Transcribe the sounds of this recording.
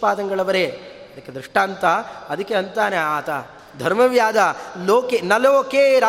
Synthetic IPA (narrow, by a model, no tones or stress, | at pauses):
paːd̪ɐŋɡɐɭɐbɐɾe | ɐd̪ɐkːed̪ɾiʂʈaːnt̪ɐɐd̪ɐkːeɐnt̪aːneaːt̪a | d̪ʱɐɾmɐʋjaːd̪ɐloːkenɐloːkeːɾaː